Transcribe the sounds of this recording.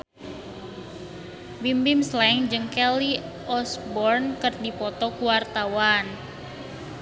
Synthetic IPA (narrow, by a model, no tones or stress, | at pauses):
bimbimslaɪŋd͡ʒɨŋkɛli | ɔsbɔrnkərdipɔt̪ɔkuwart̪awan